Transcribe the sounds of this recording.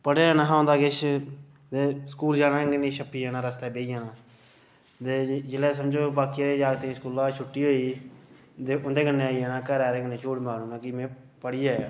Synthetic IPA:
pəɽeːaːnaɦaːõnd̪aːɡɪt͡ʃ | d̪eːsə̥kuːld͡ʒaːnaːɡənĩːʃʰəpːiːɦɛːnãːɾəst̪eːbeːijaːnaː | d̪eːd͡ʒɪlɛːsəmd͡ʒoːbaːkiːɾeːd͡ʒaːɡt̪ẽːskuːlãːt͡ʃʰʊʈːiːɦoːiː | d̪eːʔʊnd̪eːɡənːeːaːiːɛːnãːkəːɾaːɾeːɡəneːt͡ʃoːɽmaːɾuːnaːkɪmɛ̃ː | pəɽiːaːjaː

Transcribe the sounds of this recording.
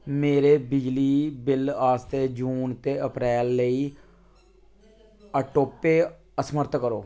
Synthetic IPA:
meːɾeːbɪd͡ʒliːbɪlaːst̪eːd͡ʒuːnt̪eːəpɾɛːlːəiː | əʈoːpeː | əsməɾt̪ʰkəɾoː

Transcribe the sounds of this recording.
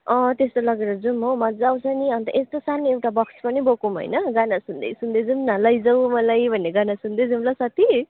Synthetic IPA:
ʌ̃t̪est̪olʌɡeɾʌd͡zumɦowmad͡zawt͡sʰʌniʌnt̪ʌʔest̪osanoewʈabʌksʰpʌnibokumɦo̰jnʌɡanasund̪ʌ̰jsund̪ed͡zumnalʌjd͡zʌwmʌlajbʱʌnːeɡanasund̪ed͡zumlasʌt̪ʰi

